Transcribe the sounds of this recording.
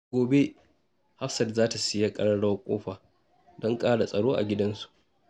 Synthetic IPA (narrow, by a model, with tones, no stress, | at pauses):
oː˨be˦ | ha˦ɸsɐ˨rzaː˦ta˨sɪ˦ja˦kʼɐ˦ɽɐ˦ɽa˦wkʷʼo̰ː˦ɸaː˨ | dɔ˦ŋkʼaː˦ɽa˨sʼɐ˨ɽoː˦ʔa̰˨ɡʲɪ˦dɐ˦nsu̥˨ʔ